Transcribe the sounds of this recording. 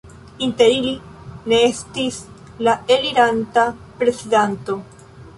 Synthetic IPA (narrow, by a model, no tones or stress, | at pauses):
inte̞ɾili | ne̞estis | lae̞liɾantapɾe̞t͡sidanto̞